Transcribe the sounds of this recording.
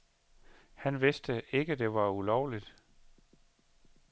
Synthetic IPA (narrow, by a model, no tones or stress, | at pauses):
hænʋe̝sd̥əʔe̝ɡ̥əd̥e̝ʋɑ̈ulɒʊlid̥